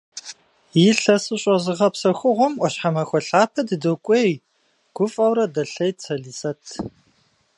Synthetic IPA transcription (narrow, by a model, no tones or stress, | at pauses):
jiɬɐsɨɕʼɔzɨʁɐpsɐxʷʊʁʷʊmʔʷɔɕħamɐxʷɔɬaːpʰɐdɨdokʷʼeːj | ɡ̥ʷʊfʼɐwɾɐdɐɬɐjt͡sʰɐɮiːsɐtʰ